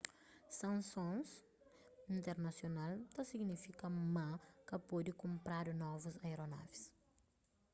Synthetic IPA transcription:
sɐ̃nsõns | ĩnt̪eɾnɐsjonalt̪ɐsiɡnifikɐmãkɐpod̪ikõmpɾaɾnɔvuzɐjɾona̰vis

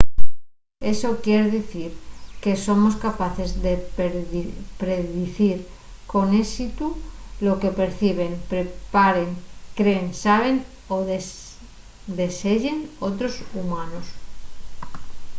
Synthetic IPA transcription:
e̞so̞kjeɾðiθiɾke̞so̞mo̞skapaθe̞zðe | pɾeðiθiɾ | ko̞nesit̪ulo̞ke̞pe̞ɾθiβ̞e̞ŋpɾepaɾeŋkɾeːnsaβ̞e̞n | oe | d̪e̞seʎe̞no̞t̪ɾo̞sumanos

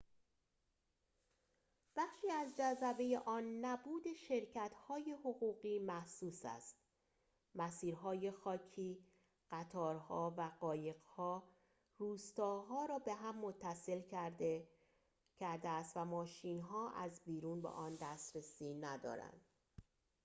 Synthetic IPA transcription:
b̥æχʃiːæzd͡ʒæzæbe̞je̞ʔɒːnːæbuːd̪e̞ʃeɾcʰæt̪hɒːje̞hoɣuːɣiːmæhsuːsæ̰st̪̚ | mæsiːɾɦɒːje̞xɒːcʰiː | ɢ̥æt̪ʰɒːɾhɒːvæɢɒːje̞ɢhɒː | ruːst̪ɒːɦɒːɾɒːbe̞ɦæmːo̞t̪ʰːæse̞l | cʰæɾd̪eæst̪væmɒːʃiːnɦɒːʔæzbiːɾuːnbḛʔɒːnd̪æst̪ɾe̞siːnæd̪ɒ̰ːɾæ̰nd̪̥

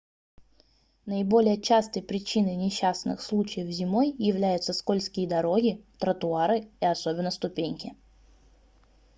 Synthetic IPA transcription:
nəɪbo̞lʲɪjət͡ɕast̪əjpɾʲɪt͡ɕinəjnʲɪɕːasnɨ̰xslˠut͡ɕɪjəfzʲɪmo̞jːɪvlʲæjʊt̪səsko̞lʲskʲɪjəd̪ɐɾo̞ɡʲɪt̪ɾət̪ʊaɾɨɪɐso̞bʲɪnːəst̪ʊpʲenʲkʲɪ

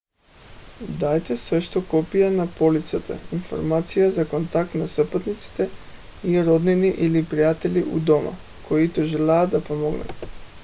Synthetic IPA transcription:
d̪ajt̪ɛsvɛʃt̪okɔpijanapolit̪sat̪a̰info̰ɾmat̪sijazakont̪ak̚t̪nasɛpɔt̪nit̪si̥t̪ɛ | iɾod̪niniʔilipɾijat̪ɛlʲiʔud̪ɔma̰ | koit̪oʒɛlaːd̪apomoɡna̰t̪

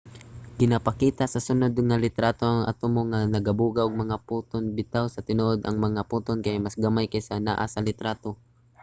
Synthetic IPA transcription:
ɡ̥ɪnapɐkiːt̪asɐsʊnod̪ŋɐlɪt̪ɾaːt̪o̞ʔɐŋʔa̰t̪omoŋanɐɡɐbuɡaʔoɡ̚mɐŋaput̪onbɪt̪awsɐt̪ɪnoʔod̪ʔɐ̰ŋmɐŋapuːt̪onkajamɐsɡɐmajkajsɐna̰ʔa̰sɐlɪt̪ɾaːt̪o

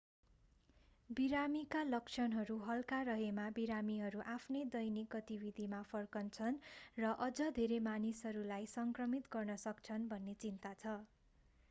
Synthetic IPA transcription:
biɾamikalʌkt͡sʰʌnɦʌɾuɦʌlkaɾʌɦemabiɾamiɦʌɾuʔapʰned̪ʌjnik̚ɡʌt̪ibid̪ʱimapʰʌrkʌnt͡sʰʌnrʌʔʌd͡zʌd̪ʱeɾemanisɦʌɾulajsʌŋkrʌmit̪ɡʌrnʌsʌk̚t͡sʰʌnbʱʌnːet͡sint̪at͡sʰʌ

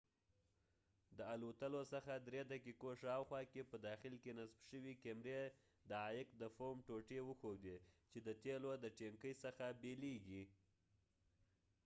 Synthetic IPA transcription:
d̪əalot̪əlosəxad̪ɾed̪akekoʃɑwxwɑkepəd̪ɑxɪlkenasbʃəwikemɾe | d̪əːjɪkd̪əfomʈoʈewəxod̪et͡ʃed̪ət̪elod̪əʈeŋkəjsəxabeleɡi

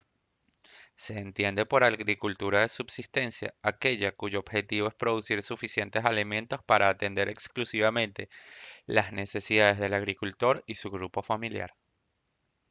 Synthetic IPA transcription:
se̞ːnt̪je̞nd̪e̞po̞ɾaɣɣɾikult̪uɾaðe̞subsist̪e̞nsja̰ake̞ʝakuʝo̞obxe̞t̪iβo̞espɾo̞ðusiɾsufisje̞nt̪esalimẽ̞nt̪o̞spaɾaːt̪e̞nd̪e̞ɾʔe̞ksklusiβamẽ̞nt̪e̞lazne̞se̞siðaðe̞zðe̞laɣɾikult̪o̞ɾisuɣɾupo̞familja̰ɾ

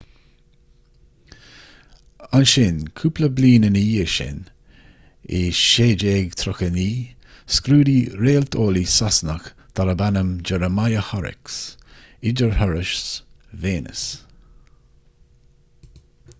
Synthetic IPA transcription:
anʃɪnkʰupləbliːnəniːəʃɪ̰n | ɪʃeːd͡ʒeːɡt̪ʰɾʊxəniː | skɾuːdiɾeːlt̪ʰoːlisasnəx | d̪̥aɾəbanəmd͡ʒɛɾəmajəhɔɾɪ̰ks | ɪd͡ʒəɹhœɹɪʃs | veːnə̰s

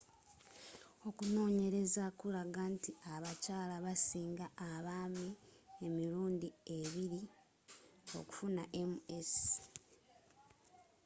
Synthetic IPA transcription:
o̞kuno̞ːɲe̞ɾe̞zakulaɡantiaβacaːlaβasiːŋɡaːβaːmie̞miɾuːndie̞βiɾi | o̞̰ku̥funaʔe̞mues

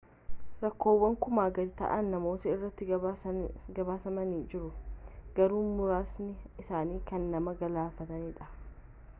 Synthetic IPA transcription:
ɾɐkːo̞ːwːɐŋkʊmaːɡɐd̪t̪ɐ̰ʔɐnːɐmo̞ːt̪ɐɪrːɐt̪ːɪ | ɡɐbaːsɐmɐnid͡ʒɪɾʊɡ̥ɐɾuːnmʊɾaːsnɪɪsaːniːkɐnːɐmɐɡɐlaːfɐt̪ɐniːᶑɐ̥

